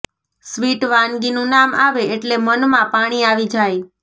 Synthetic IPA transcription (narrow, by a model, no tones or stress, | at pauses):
sʋiʈʋãnɡinũnama̰ʋeeʈlemənmãpaɽ̃iaʋid͡ʒaj